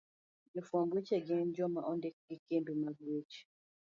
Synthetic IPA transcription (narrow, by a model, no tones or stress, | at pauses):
d͡ʒɛfwɔŋɡwet͡ʃɛɡɪnd͡ʒɔmaʔɔndɛk̚ɡ̥ikembimaɡwet͡ʃ